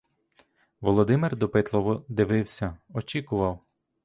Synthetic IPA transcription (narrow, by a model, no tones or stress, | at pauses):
ʋɔlˠɔd̪ɪmɪrd̪ɔpɪt̪lˠɔʋɔd̪ɪʋɪwsʲɐɔt͡ʃikʊʋɐw